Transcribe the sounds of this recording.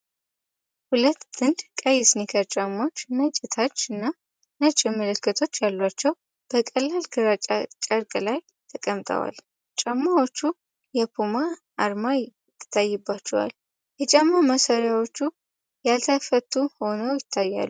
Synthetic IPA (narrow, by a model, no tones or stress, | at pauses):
hulət̪ːd̪ɨnd̪kʼajːɪsnikʰat͡ʃʼamːot͡ʃːɨnːat͡ʃʼɪt̪ʰat͡ʃːɨnːa | nət͡ʃʼɪmələkːət̪ʰo̞t͡ʃːjalːat͡ʃːɛw | b̥əkʼəlːalɡʰɨɾat͡ʃʼat͡ʃʼəɾkʼəlaj | t̪ʰəkʼəmt̪ʼʰə̰wa̰l | t͡ʃʼamːawot͡ʃːu | jɛpʰumaʔaɾmaj | t̪ʰːɨ̥t̪ʰːajːɛbːat͡ʃːɛwa̰l | jɛt͡ʃʼamːaməsaɾjawo̞t͡ʃːu | jalt̪ʰəfət̪ːuho̞nəwjɪt̪ʰːajːa̰lːu